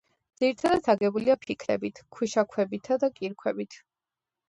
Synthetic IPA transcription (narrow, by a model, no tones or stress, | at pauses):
d̪z̥iɾit̪ʰad̪at̪ʰaɡɛbuliapʰikʰɾɛ̰bit̪ʰkʰwiʃakʰwɛbit̪ʰad̪akʼiɾkʰwɛbit̪ʰ